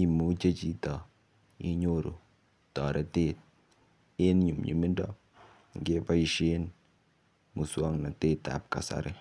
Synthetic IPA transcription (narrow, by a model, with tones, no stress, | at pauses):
i˨mu˨˦d͡ʒe˦d͡ʒi˦tɔ˨ | ḭ˦ɲo˦ɾo̰˨ | tɔ˨ɾʔe˨te˦t̚ | e˦nɲu˨mɲḭ˨mi˦ndɔ˦ | ŋ˨ɡe˦ba˦i˨ʃe˦n | mu˨swɔ˦ŋna˨te˦ta̰˨p̚ka̰˨sa̰˨ɾɪ˦